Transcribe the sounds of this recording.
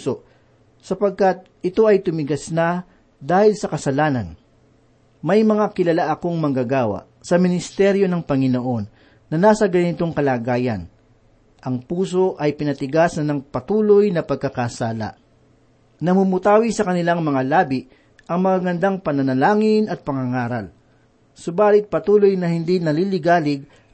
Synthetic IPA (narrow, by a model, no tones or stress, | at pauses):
soʔ | sɐpɐɡ̚kat̪̚ | ɪt̪o̞ʔɐjt̪ʊmɪɡɐsna | d̪aːhɪlsɐkɐsɐlaːnɐn | mɐjmɐŋakɪlɐlaʔɐko̞ŋmɐŋɡaɡaːwa̰ʔsɐmɪnɪst̪ɛɾjo̞nɐŋpɐŋɪno̞ʔo̞nː | ɐnaːsɐɡɐnɪt̪o̞ŋkɐlaːɡaːjɐ̰n | ʔɐŋpuːso̞ʔɐjpɪnɐt̪ɪɡasɐnːɐŋpɐt̪uːlo̞jnɐpɐɡ̚kɐkaːsaːlɐ̰ʔ | nɐmʊmʊt̪aːwisɐkɐnɪlaŋmɐŋalaːbɪʔ | ʔɐŋmɐŋaɡɐnd̪aŋpɐnɐnɐlaːŋɪnʔɐt̪̚pɐŋɐŋaːɾɐl | sʊbaːlɪt̪̚pɐt̪uːlo̞jnɐhɪnd̪inɐlilɪɡaːlɪɡ̚